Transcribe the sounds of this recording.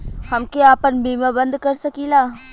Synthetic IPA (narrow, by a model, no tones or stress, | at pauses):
hɐmkeaːpənbʱiːmabə̃nd̪kɐɾsɐkiːlaː